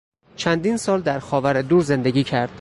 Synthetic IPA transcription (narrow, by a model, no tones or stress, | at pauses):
t͡ʃʰænd̪iːnsɒːld̪æɾxɒːvæɾed̪uːɾze̞nd̪eɡʲiːcʰæɾd̪̥